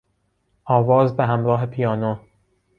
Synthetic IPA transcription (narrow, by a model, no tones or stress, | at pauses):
ʔɒːvɒːzbeɦæmɾɒːɦepʰijɒːno